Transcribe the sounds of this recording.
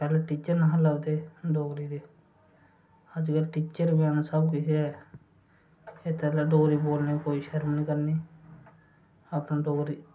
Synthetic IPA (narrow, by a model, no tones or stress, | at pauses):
pɛːleʈiːt͡ʃəɾnəɦãləbt̪eːɖoːɡɾiːd̪eː | əd͡ʒkəlʈiːt͡ʃəɾbaːnːsəbkɪseɛː | eːt̪ɛːlaɖoːɾiːboːlneːkoːiʃəɾmnĩːkəɾniː | apnãːɖoːɡɾiː